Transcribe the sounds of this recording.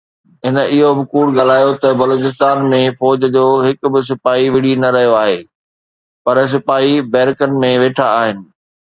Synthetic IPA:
ɦɪnə̆ɪɦobɪkuːɽɠaːl̤aːjot̪ɐbɐloːt͡ɕɪs̬t̪aːnmẽfɔːd͡ʑd͡ʑoːɦɪkbɪs̬ɪpaːɦiʋɪɽ̤inɐɾɐɦijoaːɦeː | pɐɾs̬ɪpaːɦibɛːɾɪkənɪ̆mẽʋeːʈʰaːɦɪnɪ̆

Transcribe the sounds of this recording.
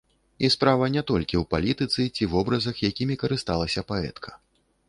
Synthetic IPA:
ispɾavɐnʲɛt̪ɔlʲkʲiwpalʲit̪ɨt̪sɨt͡sʲivɔbɾɐzɐxjakʲimʲikɐɾɨst̪alˠɐsʲɐpaɛ̰t̪kʰɐ̥

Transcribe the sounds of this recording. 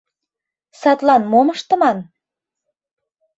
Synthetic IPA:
sɑt̪lɑnmoməʃt̪ə̆mɑn

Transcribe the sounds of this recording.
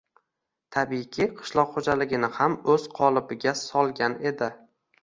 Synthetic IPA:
t̪ʰabikʲʰiqʰɨ̥ʃlˠɒqχod͡ʒalɪɡʲɪnɪhamɵz̥qʰɒlˠɪbɪɡʲasɒlˠɡʲane̞d̪ɪ

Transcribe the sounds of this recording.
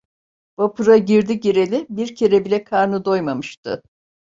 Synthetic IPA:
b̥apuɾaɟiɾd̪iɟeɾelʲibiɾcʰe̞ɾɛbilʲɛkʰaɾnɯd̪o̞jmamɯʃt̪ʰɯ̰

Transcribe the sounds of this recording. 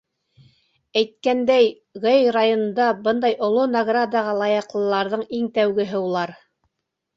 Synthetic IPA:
æjt̪̚kænd̪æj | ʁɤjrajonɤ̆nd̪ɑbɤnd̪ɑjŏlˠonɐɡrad̪ɑʁɑlˠɑjɑqlˠɤ̆lˠɑɾðɤɴiŋt̪æwɡɘ̆ɦɘulˠɑɾ

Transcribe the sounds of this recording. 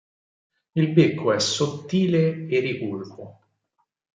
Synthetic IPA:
ilbekʰːoɛsːot̪ːiːleeripulvo

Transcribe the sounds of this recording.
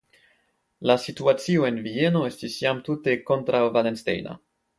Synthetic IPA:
lasituat͡sio̞e̞nvie̞no̞e̞stisjamtute̞ko̞ntɾawvalenstḛjna̰

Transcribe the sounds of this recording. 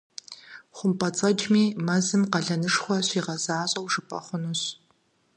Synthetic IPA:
χʷʊmpʼɐt͡sʼɐd͡ʒʼmiːmɐzɨmqɐɮɐnɨʂχʷɔɕʷiːʁɐzaːɕʼɐwʂɨpʼɐ̰χʷʊnuɕ

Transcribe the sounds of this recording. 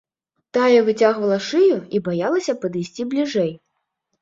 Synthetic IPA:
t̪ajɐvɨt͡sʲaɣvɐlˠɐʂɨjuibajalˠɐsʲɐpɐd̪ɨjsʲt͡sʲiblʲiʐɛj

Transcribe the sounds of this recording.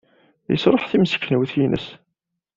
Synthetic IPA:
jəsɾˤəħθimsə̥kːnwθjinə̰s

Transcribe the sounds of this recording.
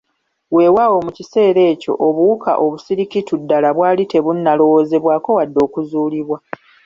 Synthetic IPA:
we̞ːwawo̞mucise̞ːɾe̞ːco̞̰ʔoβuuka̰ʔo̞βusiɾikitudːalaβwaːlite̞βunːalo̞wo̞ːze̞βwaːko̞wadːo̞ːkuzuːliβwa

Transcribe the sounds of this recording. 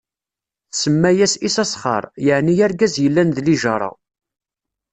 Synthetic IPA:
θsəmːæjæsisæsχɑ̰ɾˤjəʕnijæɾɡæzjəlːænðliʒɑɾˤɑ̰

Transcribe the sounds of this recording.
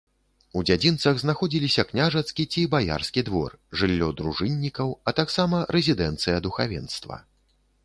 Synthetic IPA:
ud͡zʲad͡zʲint̪sɐɣznaxɔd͡zʲilʲisʲɐknʲaʐɐt̪skʲit͡sʲibaja̰rskʲid̪vɔ̰rʐɨlʲːɔd̪ɾuʐɨnʲːikɐwɐt̪aksamɐɾɛzʲid̪ɛnt̪sɨjɐd̪uxavʲɛ̰nst̪vɐ̰

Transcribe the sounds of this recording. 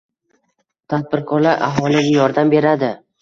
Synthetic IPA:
t̪ʰad̪̚bɪɾkʰɒɾlaɾʔa̰ɦɒlɪɡʲajɒɾd̪ambe̞ɾad̪ɪ

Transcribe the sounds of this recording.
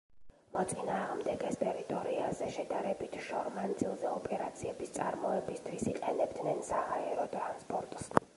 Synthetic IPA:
mɔt̪sʼinaːʁmd̪ɛɡɛst̪ʼɛɾit̪ʼɔɾiazɛʃɛd̪aɾɛbit̪ʰʃɔɾmand̪zilˠzɛɔpʼɛɾat̪sʰiɛbist̪sʼaɾmɔɛbist̪ʰwisiqʼɛnɛbd̪nɛnsahaɛɾɔt̪ʼɾanspʼɔɾt̪ʼs

